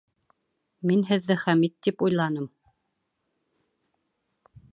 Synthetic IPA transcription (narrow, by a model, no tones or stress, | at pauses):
minɦɘ̆ðːɘχæmit̪ːipujlˠɑnɤm